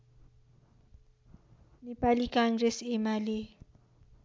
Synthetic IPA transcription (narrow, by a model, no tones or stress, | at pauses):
nɪpʼalikʰaŋrɛsɪmalɪ